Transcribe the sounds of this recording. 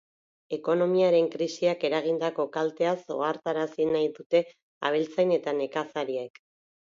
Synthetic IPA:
e̞ko̞no̞miaɾe̞ŋkɾisiake̞ɾaɣ̞ind̪ako̞kalt̪e̞aso̞̰aɾt̪aɾasinajðut̪e̞ | a̰β̞elt͡sajne̞t̪ane̞kasaɾiek

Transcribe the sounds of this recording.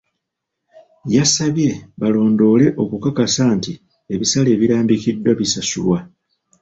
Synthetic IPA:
jasaβje̞βalo̞ːndo̞ːle̞ʔo̞kukakasaːnti | e̞βisale̞ːβiɾaːmbikidːwaβisasṵlwa

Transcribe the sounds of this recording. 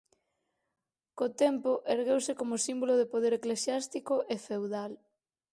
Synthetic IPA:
kot̪ɛmpoʔeɾɣewsɪkomosimboloðepoðeɾeklesjast̪ikoʔefewðal

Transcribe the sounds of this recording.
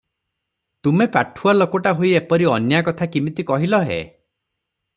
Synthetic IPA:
t̪umepaʈʰualokoʈaɦoiepɔɾiɔnjakɔt̪ʰakimit̪ikɔɦilɔɦḛ

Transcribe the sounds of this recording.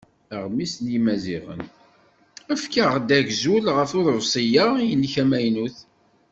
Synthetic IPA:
əʁmisnjimæziʁə̰n | æfkəʁd̪æʝzulʁəfʊɾəvsˤijaijənːçæmæjnuθ

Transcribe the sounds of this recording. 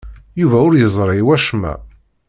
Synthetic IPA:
juvæʊɾjəzˤɾˤɪwæʃmæ̰

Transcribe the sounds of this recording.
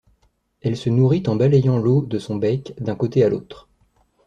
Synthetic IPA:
ɛlsənuʁit̪ɑ̃balejɑ̃lod̪əsɔ̃bɛkd̪ɛ̃kot̪ealot̪χ

